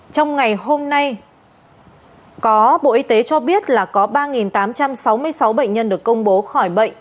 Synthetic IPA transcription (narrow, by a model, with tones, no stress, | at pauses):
t͡ɕɔ˧wŋ͡mŋa˨˩jɦo˧mna˧j | kɔ˨˦ɓo̰˧˨ʔi˧t̪e˨˦t͡ɕɔ˧ɓi˦˥ət̚laː˨˩kɔ˨˦ɓaː˧ŋi˨˩nt̪aː˨˦mt͡ɕa˧msa˨˦wmɨ˧əjsa˨˦wɓə̰˧˨jŋ̟ɲə˧nɗɨ˨˩əkːə˧wŋ͡mɓo˨˦xɔ˧˩jɓə̰˧˨ŋ̟